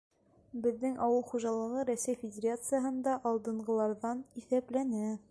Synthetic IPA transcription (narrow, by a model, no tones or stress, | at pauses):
bɘ̆ðːɘŋʔɒwɤlˠχuʒɑlˠɤ̆ʁɤɾæsæjfʲɪdʲerat̪sɨjaɦɤ̆nd̪ɑʔɑlˠd̪ɤ̆ɴɢɤ̆lˠɑɾðɑniθæplænæ